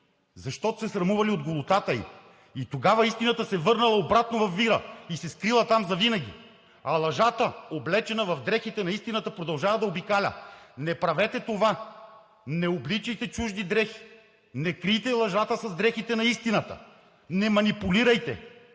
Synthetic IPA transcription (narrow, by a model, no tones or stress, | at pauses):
zɐʃt̪ɔt̪o̥sɛsɾɐmuvɐliod̪ɡolˠot̪at̪əḭ | it̪oɡavɐist̪inɐt̪əsɛvɤɾnɐlˠɐobɾat̪novɐfːiɾəisɛskɾilˠɐt̪amzɐvinɐɡʲḭ | ɐlˠɐʒat̪əoblɛt͡ʃɛnɐvɐvd̪ɾɛxit̪ɛnɐist̪inɐt̪əpɾod̪ɐlˠʒavɐd̪ɐobikalʲə̰nɛpɾɐvɛt̪ɛt̪ova | nɛoblit͡ʃɛjt̪ɛt͡ʃuʒd̪id̪ɾɛxi̥ | nɛkɾijt̪ɛlˠɐʒat̪əsɐzd̪ɾɛxit̪ɛnɐist̪inət̪ə̰ | nɛmɐnipuliɾɐjt̪ɛ̰